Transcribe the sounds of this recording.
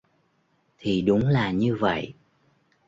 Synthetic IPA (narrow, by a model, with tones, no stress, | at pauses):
t̪ʰi˨˩ɗʊ˨˦ŋ͡mlaː˨˩ɲɨ˧və̰˧˨j